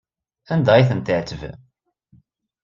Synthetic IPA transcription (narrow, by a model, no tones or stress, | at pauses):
ænd̪æiθənt̪əʕt̪əv